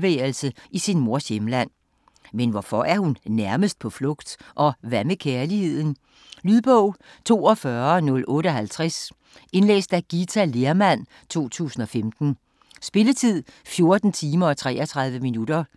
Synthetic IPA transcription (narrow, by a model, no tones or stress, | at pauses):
ʋḛːl̩səisinmo̝ɐ̰semlæn̰ | menʋɒfɒ̽ʔæɐhunnæɐməsd̥̚pʰɒ̽flɔ̽ɡ̥d̥ʔɒ̽ʋæməkʰæɐlihe̝ð̞̰ˠn̩ | lyðˠb̥ɔʊ̰ | t͡sʰo̝̰ːɒ̽fɶɐnɔ̽lʔɔ̽ːɾəɒ̽ɦælt͡sʰʁas | e̝nlḛːsd̥æɡ̥it͡sʰæleɐmæn̰ | t͡sʰo̝̰ːt͡sʰṵːsn̩ɒ̽femd̥n̩ | sb̥e̝lət͡sʰið̰ˠfjo̝ɐd̥n̩t͡sʰiːmɐɒ̽t͡sʰʁɛ̰ːɒt͡sʰʁɑ̈ðˠʋəminud̥ɐ